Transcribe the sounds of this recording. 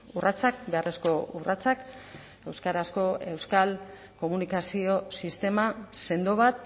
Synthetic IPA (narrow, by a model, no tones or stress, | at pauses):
urʔat͡sak̚be̞are̞sko̞urat͡sak | e̞wskaɾasko̞e̞wskal | ko̞munikasio̞sist̪e̞mase̞nd̪oβat̪̚